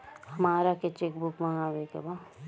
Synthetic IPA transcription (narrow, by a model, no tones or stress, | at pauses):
hɐmaːɾaket͡ʃek̚bʊkmaŋaːʋekḛba